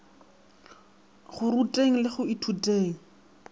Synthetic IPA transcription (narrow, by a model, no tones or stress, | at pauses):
χʊrutʼeŋ̩lɪχʊitʰutʼeːŋ̩